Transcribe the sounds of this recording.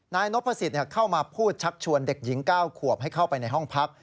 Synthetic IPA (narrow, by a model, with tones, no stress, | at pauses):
naː˧jno˦˥pʰːa˧si˨˩t̪̚ni˥˩kʰa˥˩wmaː˧pʰuː˥˩t̪̚t͡ɕʰa˦˥k̚t͡ɕʰu˧ənde˨˩k̚ji˩˦ŋkaː˥˩wkʰu˨˩əp̚ɦa˥˩jkʰa˥˩wpa˧jna˧jɦɔ˥˩ŋpʰa˦˥k̚